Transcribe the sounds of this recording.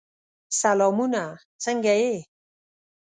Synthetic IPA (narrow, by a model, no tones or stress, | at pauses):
salɔmuna | t͡saŋɡae